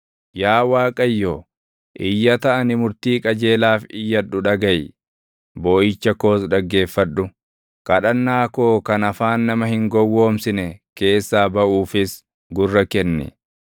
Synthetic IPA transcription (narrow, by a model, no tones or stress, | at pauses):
jaːwaːkʼɐjːoː | ʔɪjːɐt̪ɐʔɐnɪmʊɾt̪iːkʼɐd͡ʒe̞ːlaːfɪjːɐᶑʊᶑɐɡɐj | boːʔɪt͡ʃːɐko̞ːsdɐɡːe̞ːfːɐᶑʊ | kɐᶑɐnːaːko̞ːkɐnɐfaːnːɐmɐhɪŋɡɔwːo̞ːmsɪnɛke̞ːsːaːbɐʔuːfɪs | ɡʊrːɐkɛnːɪ̰